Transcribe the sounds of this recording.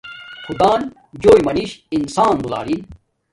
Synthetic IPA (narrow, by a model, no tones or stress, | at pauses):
kʰud̪aːn | d͡ʑoːjmɐniɕinsaːnbula̰ːɾin